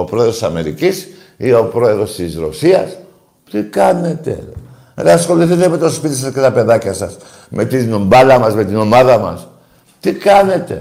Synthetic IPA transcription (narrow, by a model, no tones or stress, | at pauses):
opɾoeðɾosɐme̞ɾḭcis | iopɾo̞e̞ðɾo̞st̪izɾo̞̰siɐs | t̪ikɐne̞t̪e̞̰ | nɐsxo̞liθit̪eme̞t̪o̞spit̪isɐske̞t̪ɐpe̞ðacɐsɐs | mʔe̞t̪inombɐlɐmɐzme̞t̪ino̞maðɐmɐ̰s | t̪ikɐne̞t̪e̞̰